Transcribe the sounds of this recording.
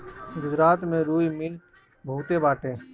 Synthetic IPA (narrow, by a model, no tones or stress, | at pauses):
ɡʊd͡ʒɾaːt̪mẽɾuːimɪl | bʱuːt̪ebaːʈẽː